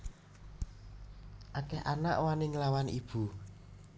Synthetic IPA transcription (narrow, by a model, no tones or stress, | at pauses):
ʔakɛhana̰ʔwanɪŋlawanib̥ṳ